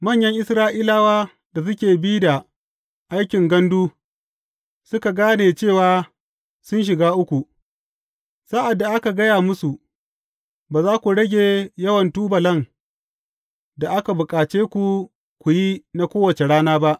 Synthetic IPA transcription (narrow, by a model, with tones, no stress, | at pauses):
mɐ˦˨ɲjɐ˦ŋʔɪ˦sɾaː˦ʔiː˦laː˦waː˦ | da˨s̬ʊ˦kʲeː˨biː˦da˨ | ʔa˦jkʲɪ˨ŋɡɐ˦nduː˦ | sʊ˦ka˨ɡaː˦neː˨t͡ʃeː˦˨waː˨˦ | sʊ˦nʃ̬ɪ˨ɡaː˦ʔʊ˦kʷu˨ | sa˦ʔa˨dːa˨ʔa˦ka˨ɡɐ˦jaː˨mʊ˦su˨ʔ | baː˨zaː˦kʷu˨ɽɐ˦ɡʲeː˨jɐ˦wɐ˨ntuː˦bɐ˨lɐ˦ŋ | da˨ʔa˦ka˨bʊ˨kʼaː˨t͡ʃeː˦kʷu˨ | kʷu˨ji˦na˦kʷoː˦wɐ˨t͡ʃe˨ɽaː˦naː˦ba˦ʔ